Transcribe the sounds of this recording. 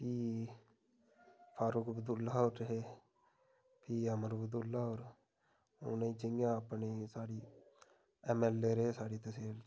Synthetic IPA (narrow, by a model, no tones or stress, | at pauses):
pʰiː | pʰaːɾʊkbəd̪ʊlːaːoɾɦeː | pʰiːəməɾbd̪ʊlːaːoːɾ | ʊ̰nəiːt͡ʃɪŋɡjãːəpneːsaːɽiː | ɛmɛːlːeːɾeɦeːsaːɽiːt̪əseːl